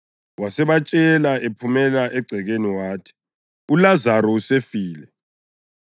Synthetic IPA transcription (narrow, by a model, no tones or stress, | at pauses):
wasɛβat͡ʃʼɛlaepʰumɛlaʔɛɡ͡ǀʱɛɣeniwaːtʰi̥ | ulazaɾɔusefiːlɛ